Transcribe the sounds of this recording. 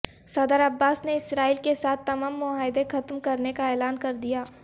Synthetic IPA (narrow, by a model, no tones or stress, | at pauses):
sɐd̪əɾɐbːaːsneɪsɾaːiːlkesaːt̪ːɐmaːmːʊaːɪd̪exɐt̪mkɐɾnekaɛːlaːnkɐɾd̪ijaː